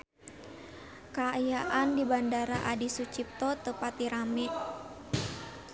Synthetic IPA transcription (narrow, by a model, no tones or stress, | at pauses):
kajaʔandibandaɾaʔadisut͡ʃip̚t̪ɔt̪əpat̪iɾamɛʔ̚